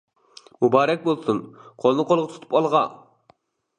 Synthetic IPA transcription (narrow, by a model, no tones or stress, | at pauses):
mubɑːɾɛk̚ʲbolˠsunqʰolˠnɨqʰolˠʁɑt̪ʰu̥t̪ʰu̥pɑlˠʁɑ